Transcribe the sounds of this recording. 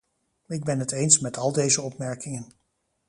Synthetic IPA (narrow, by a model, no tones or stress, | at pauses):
ɪɡ̚bɛnɦətejnsmɛtɑlˠdejzəɔpmɛɹkɪŋən